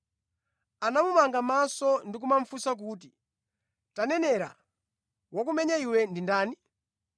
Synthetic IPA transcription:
anamumaŋɡamasɔndik̬umaɱ̩fusak̬uːt̬i | tanɛnɛɾa̰ | wɔk̬umɛɲaiwɛndindaːni

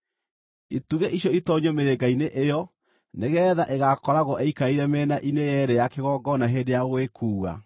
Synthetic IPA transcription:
ituɣeʔiɕjɔitɔɲomeɾeɡaineʔejɔ | neɣɛðaʔeɣakɔɾaɣɔʔeikaiɾɛmɛːnaʔinejɛɾejakeɣɔːɡɔnaɦeːndejaɣwekʰuːɣa̰

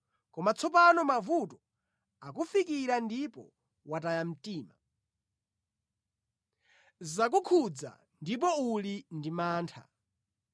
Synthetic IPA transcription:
kɔmat͡sʰɔpanɔmavutɔ | akufikiɾandipɔ̰ | wat̬ajam̩tiːma | zak̬ukʰud͡za̰ | ndip̬ɔulindimaːntʰa̰

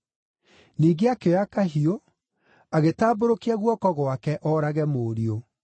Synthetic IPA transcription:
niːɡeakeɔjakaɦio | aɣetaːboɾokiaɣwɔkɔɣwakɛʔɔɾaɣɛmoːɾio

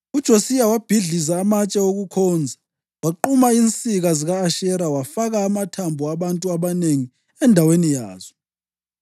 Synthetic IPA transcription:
ud̥ʒ̥ʱosijawab̥ʱiɮizaːmat͡ʃʼɛoɣukʰɔːnd͡zʱa | waǃumaint͡sʼiɣaziɣaːʃɛɾawafaɣaːmatʰambʱuaβantʼuaβaneŋi | ɛndʱawenija̰ːz̥ɔ

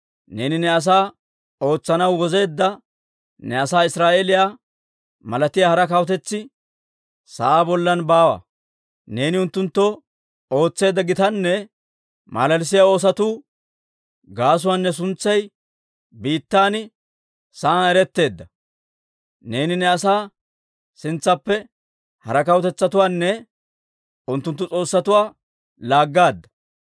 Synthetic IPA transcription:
ne̞ːnɪnɛɐs̬aː | o̞ːt͡sːɐnɐwwɔze̞ːd̪ːɐ | nɛɐsaːɪsɾaːʔelɪjaː | mɐlɐt̪ɪjaːhɐɾɐkɐwɔt̪ɛt͡sːɪ | sɐʔaːbɔlːɐnbaːwɐ̰ | ne̞ːnɪʊnt̪ːʊnt̪ːɔ | o̞ːt͡sːe̞ːd̪ːɐɡɪt̪ɐnːɛ | mʔa̰ːlɐls̬ɪjao̞ːs̬ɐt̪uː | ɡaːs̬ʊwaːnːɛs̬ʊnt͡sːɐj | biːt̪ːaːn | saaːnɛɾɛt̪ːe̞ːd̪ːɐ | ne̞ːnɪnɛɐsaː | sɪnt͡sːɐpːɛ | hɐ̰ɾɐkɐwt̪ɛt͡sːɐt̪ʊwaːnːɛ | ʊnt̪ːʊnt̪ːʊt͡sʼo̞ːsːɐt̪ʊwaː | laːɡːaːd̪ːɐ̥

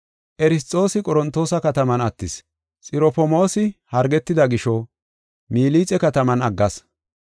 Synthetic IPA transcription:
ʔɛɾɪst̪ʼːo̞ːsɪkʼɔɾɔnt̪ːo̞ːsɐkɐt̪ɐmɐnɐt̪ːɪs | t͡sʼɪɾɔpɔmo̞ːsɪhɐɾɡɛt̪ːɪd̪ɐɡɪʃɔ | miːliːt͡sʼɛkɐt̪ɐmɐnɐɡːɐs

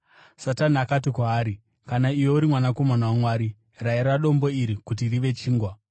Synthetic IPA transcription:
sataniakatikwaːɾi | kanaiwo̞uɾimwanako̞manawamwaːɾi | raeɾaɗo̞mbo̞iɾikut̬iriʋe̞t͡ʃiːŋɡwa

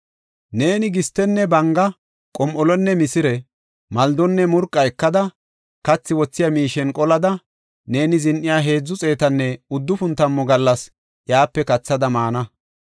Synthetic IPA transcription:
ne̞ːnɪɡɪst̪ɛnːɛbɐŋɡɐ | kʼɔmʔɔlɔnːɛmɪsɪɾɛ | mɐld̪ɔnːɛmʊɾkʼːɐɛkːɐd̪ɐ | kɐt͡sːɪwɔt͡sːɪjamiːʃɛnkʼɔlɐd̪ɐ | ne̞ːnɪzɪnʔɪjaːɦe̞ːd͡zːʊt͡sʼe̞ːt̪ɐnːɛʊd̪ːʊfʊnt̪ɐmːɔɡɐlːɐs | jaːpːɛkɐt͡sːɐd̪ɐmaːnɐ

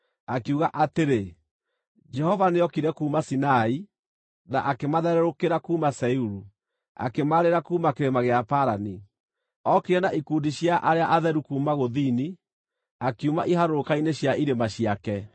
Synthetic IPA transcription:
akeuɣaʔateɾe | d͡ʒɛhɔvaneɔkiɾɛkuːmasinai | na̰ʔakemaðɛɾɛɾokeɾakuːmasɛuɾu | a̰kemaɾeɾakumakeɾemaɣeapaɾani | ɔkiɾɛnaʔikuːndiɕjaʔaɾeaʔaðɛɾukuːmaɣoðini | akiumaʔiɦaɾoɾokaineɕjaiɾemaɕjakɛ

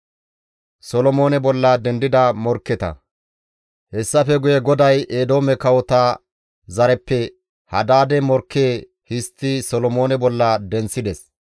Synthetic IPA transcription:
sɔlɔmo̞ːnɛbɔlːɐd̪ɛnd̪ɪd̪ɐmɔɾkːɛt̪ɐ̰ | hɛsːɐfɛɡʊjɛɡɔd̪ɐjeːd̪o̞ːmɛkɐwɔt̪aː | zɐɾɛpːɛ | hɐd̪aːd̪ɛmɔɾkːeː | hɪst̪ːɪsɔlɔmoːnɛbɔlːɐd̪ɛnt͡sːɪd̪ɛs

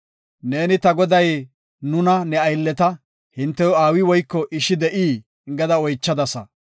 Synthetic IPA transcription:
ne̞ːnɪt̪ɐɡɔd̪ɐj | nʊnɐnɛɐjlːɛt̪ɐ | hɪnt̪ːɛjɔaːwɪwɔjkːɔʔɪʃɪd̪ɛʔiː | ɪŋɡɐd̪ɐɔjt͡ʃːɐd̪ɐsɐ

